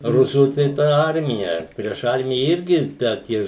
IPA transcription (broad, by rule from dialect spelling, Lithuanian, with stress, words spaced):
ˈrʊsuː tɐɪ ˈtɐ ˈɐrʲmʲɪjɛ pʲrʲiɛʃ ˈɐrʲmʲɪjɛ ˈɪrʲɡʲɪ dɐ ˈtʲiɛ